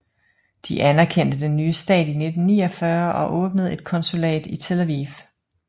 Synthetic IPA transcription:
d̥iʔænæɐkʰen̰d̥əd̥enːyːəsd̥ɛ̰ːd̥ine̝d̥n̩ːiːɒfɶɐʔɒ̽ʔɔ̽ːb̥nəð̞̩ˠe̝d̥̚kʰɒ̽nsulɛ̰ːd̥it͡sʰe̝læʋḭːf

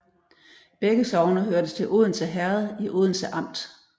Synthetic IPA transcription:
b̥eɡ̥əsɒʊnɐɦøɐd̥əst͡sʰe̝lʔo̝ð̞ˠn̩səɦæɐð̩ˠiʔo̝ðˠn̩səʔɑ̈m̰d̥

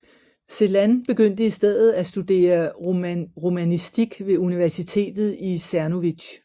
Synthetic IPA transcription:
se̝lænb̥e̝ɡ̥øn̰d̥əisd̥eð̰ˠð̞̩ˠæsd̥ud̥e̝̰ːɐ | ʁomænisd̥iɡ̥ʋe̝uniʋæɐsit͡sʰe̝̰ːd̥ð̞̩ˠisæɐno̝ʋi̥ɕ

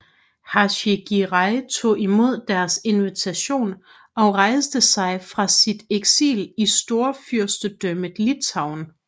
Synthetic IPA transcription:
hɑɕeɡ̥iʁɑ̈ɪt͡sʰo̝̰ːimo̝ð̞̰ˠd̥æɐse̝nʋit͡sʰæɕo̝̰ːn | ɒ̽ʁɑ̈ɪsd̥əsɑ̈ɪfʁɑ̈sid̥eɡ̥sḭːlisd̥o̝ːɐfyɐsd̥əd̥øməð̩ˠlit͡sʰɑ̈ʊ̰n

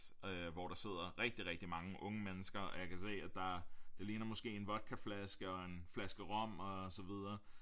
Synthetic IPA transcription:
øʋɒɾ̥ɑ̈se̝ð̞̰ˠɐʁɛɡ̥̚d̥iʁɛɡ̥̚d̥imɑ̈ŋəʔɔ̽ŋəmenəsɡ̥ɐɒjɑ̈kʰæse̝̰ːæd̥ɑ̈d̥e̝liːnɐmɔ̽sɡ̥e̝̰ːe̝nʋɒ̽d̥̚kʰæ̥flæsɡ̥əɒ̽e̝nflæsɡ̥əʁɒ̽m̰ɒ̽sɒ̽ʋið̞ˠɐː

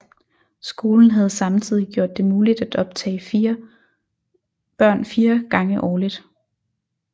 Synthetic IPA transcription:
sɡ̥o̝ːln̩ɦæð̞ˠsɑ̈mt͡sʰið̞̰ˠiɡ̥jo̝ɐ̰d̥ːe̝muːlid̥æd̥ɒ̽b̥t͡sʰɛ̰ːɪfiɐ | b̥ɶɐ̰nfiːɐɡ̥ɑ̈ŋəʔɒːlid̥

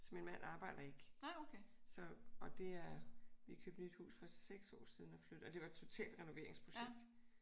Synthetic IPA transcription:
sɒ̽me̝nmæn̰ɑ̈ːb̥ɑ̈ɪ̰d̥ɐe̝ɡ̥kʰesɒ̽ɒd̥e̝æɐʋikʰø̰ːb̥nyd̥hṵːsfɒ̽seɡ̥sɒ̰ːsið̞ˠn̩ɒflød̥̩ˠɒ̽d̥e̝ʋɑ̈ed̥̚t͡sʰo̝t͡sʰɛ̰ːld̥ʁɛno̝ʋe̝ɐe̝ŋspʰʁo̝ɕeɡ̥̚d̥

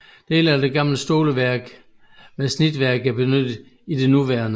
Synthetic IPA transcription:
d̥e̝ːlæɐd̥e̝ɡ̥ɑ̈m̰ləsd̥o̝ːləʋæɐɡ̥ | ʋæsnid̥ʋæɐɡ̥æɐb̥e̝nød̥ə | id̥e̝nuʋæɐnə

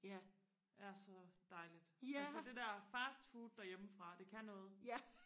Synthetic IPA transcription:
jæ | æɐsɒ̽d̥ɑ̈ɪlid̥æsəd̥e̝d̥ɛɐfæsd̥fuːd̥̚ːɑ̈jeməfʁɑ̈d̥e̝kʰænɔ̽ːð̞̩ˠj

